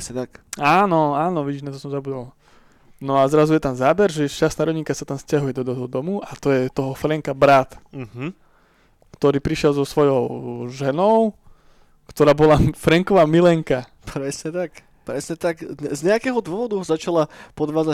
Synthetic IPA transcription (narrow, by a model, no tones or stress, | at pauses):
sɛt̪akaːnɔaːnɔʋiɟiʒnat̪ɔsɔmzabud̪al | nɔazɾazujɛt̪amzaːbɛɾʒɛʃt͡ʃast̪aɾɔɲikasat̪amscaɦujɛd̪ɔd̪ɔɦɔd̪ɔmuat̪ɔjɛt̪ɔɦɔfɾɛŋkabɾat̪̩ | kt̪ɔɾiːpɾiʃjɛlzɔsʋɔjɔʊʒɛnɔʊ | kt̪ɔɾaːbɔlafɾɛŋkɔʋaːmilɛŋka | pɾɛsɲɛt̪ak | pɾɛsɲɛt̪akɛzɲɛakɛːɦɔd̪ʊɔʋɔd̪uɦɔzat͡ʃalapɔd̪ʋaːd͡za